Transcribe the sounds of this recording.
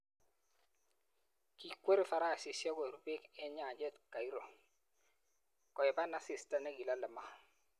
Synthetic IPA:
ki˨kwe˦ɾi˦fa˨ɾa˦˨si˨sja˦ɡo˨ɾu˨be˦kɛ˦ɲa˨d͡ʒɛ˦˨tka˨i˦ɾo˨ | kɔ˨ɛ˨ba˦na˦si˨sta˦na˦ɡi˨la˦lə˨ma˦

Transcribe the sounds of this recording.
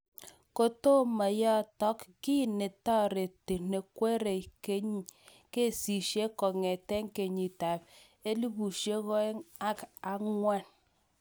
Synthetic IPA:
ko˨to˦ma˨jɔ˦˨tɔ˦kki˦˨ne˨tɔ˦˨ɾe˨te˨ne˨kʷe˦ɾe˨ke˦ɲi˦ | ke˦˨si˨ʃe˦ko˨ŋe˨te˦ŋ̩˦ke˨ɲi˨ta˨p | e˦li˦bu˨ʃe˦ɣo˦e˦ŋa˦ka˦ŋʷa˦n

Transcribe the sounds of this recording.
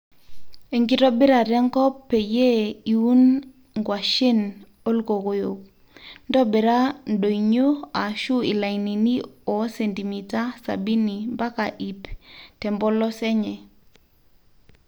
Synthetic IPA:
e˨ŋɡi˦ɾɔ˦bɪ˦ɾa˨ɾɛ˦ŋkɔ˦pːe˨je˦i˨wu˦n | ŋɡwa˨ʃɪ˦n | o˦lko˨ko˨jo˨k̚ | ndɔ˦bɛ˨ɾa˦nɗo˨i˨ɲo˦a˨ʃu˦i˨la˨i˨ni˨ni˦ɔ˨sɛ˨nti˨mi˨ta˦sa̰˨bi˦ni˨mba˦ka˨ʔi˨ptɛ˨mbɔ˦lɔ˦sɛ˦ɲɛ˨

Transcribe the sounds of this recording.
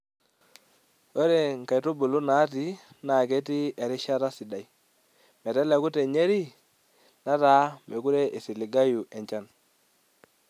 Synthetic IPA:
o˦ɾe˨ŋ˨ka˨tu˦bu˨lu˦na˨˦ti˦ | na˨kɛ˦ti˦ɛ˨ɾi˦ʃa˦ɾa˦si˨da˨j | mɛ˨tɛ˦lɛ˨ku˦te˨ɲe˦ɾi˦ | na˦taː˦mɛ˨ku˦ɾɛ˦ʔi˨si˨li˨ɡa˦ju˨ʔɛ˨ɲt͡ʃa˦n

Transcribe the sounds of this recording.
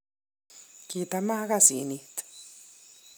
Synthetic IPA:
ki˧t̪a˧ma˦ɡa˦sḭ˨ni˧t̪

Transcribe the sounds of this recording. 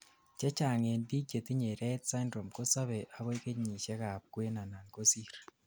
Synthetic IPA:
ce˦t͡ʃaː˨ŋendi˦ɟe˨ti˦ɲe˨ɾetsa˦ndɾo˨mko˦sa˦βeʔa˨βo˦ke˦ɲi˨ʃe˦ɣa˨βkwe˦na˨na˨ŋkosi˦ɾe

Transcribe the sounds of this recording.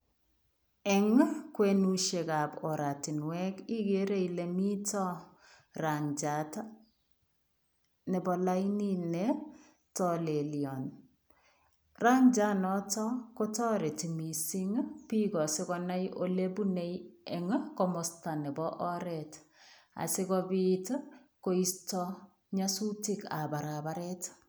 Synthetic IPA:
ɛ˨ŋ˦kwe˨nu˦ʃe˨ka˨pɔ˨ɾa˨ti˨nwɛ˦ki˦keɾe˦ile˨mi˦tɔ˦ | ra˨ɲd͡ʒa˨ta | nɛ˨bɔ˨la˦ininɛ | tɔle˨ljɔn | ra˦ɲd͡ʒa˦nɔtɔkotɔ˦ɾɛ˨timisi˦ŋpikɔ˨sɪkɔna˦jʔolebunejɛŋkɔmɔsta˨nɛ˨bɔʔɔɾɛt | a̰˨sɪ˦kɔbitko˦istɔ | ɲasu˦tika̰˨ba˨ɾaba˦ɾɛt

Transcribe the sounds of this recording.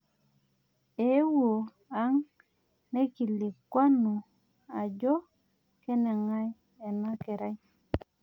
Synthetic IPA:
e˨˦wo˨ | a˦ŋ | ne˦ki˨li˨kwa˦no˨ | a˨d͡ʒɔ˦ | ke˦nɛ˨ŋa˦j | e˨na˦ke˨ɾa˦j

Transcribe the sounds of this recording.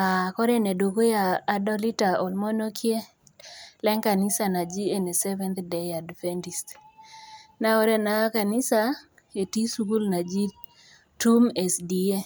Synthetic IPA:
a˨kɔ˦ɾɛ˦nɛ˨dwo˨ɡo˦jaː˨dɔ˦li˦ta˨ɔ˨lmɔ˦no˦kʰje˦ | lɛ˦ŋka˨nɪ˦sa˨na˨d͡ʒi˦e˨ne˨sɛ˦vɛ˦nt̪dɛ˨ja˨dfɛ˦nti˨st | na˦o˦ɾɛ˦na˨ka˨nɪ˦sa˦ | e˨ti˦su˦ku˦lna˨d͡ʒi˦ | tu˦me˨sdi˨e˦

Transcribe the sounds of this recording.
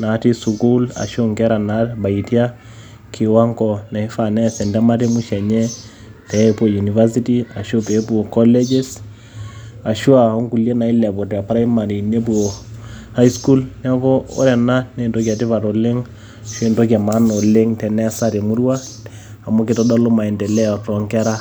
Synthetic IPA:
na˨˦ti˦su˨ku˦la̰˨ʃo˦ŋkɛ˦ɾa˨na˨˦tba˨i˨tja˦ | kʰɪ˨wa˦ŋɡɔ˨na˨i˦fa˨nɛ˦sɛ˨ndɛ˦ma˦te˦mu˦ʃɛ˨ɲɛ˦ | tɛ˨po˨ju˨ni˨va˦s̬i˦ti˦a˨ʃo˦pe˨˦pu˦o˨kɔ˦le˦d͡ʒe˦s | a˨ʃu˦a˨ɔ˦ŋku˨lje˦na˨i˦lɛ˨pɔ˨ta˨pa˦ɾa˦i˦ma˨ɾi˨ne˦p̬u˨o˨ | ha˦isku˦lna˦kɔ˦ɔ̰˦ɾɛ˨na˦ne˦˨ndo˦ka˨tɪ˦pa˨to˨lɪ˦ŋ˨ | ʃe˨ndo˦ka˨ma˨˦nɔ˨lɪ˦ŋtɛ˨nɛ˦sa˦ɾe˨mu˦ɾwaː˦˨ | mu˦kɪ˨tɔ˦dɔ˦lo˦ma˨ɛ˨ndɛ˨lɛ˦ɔ˨tɔ˨ŋkɛ˦ɾa˦

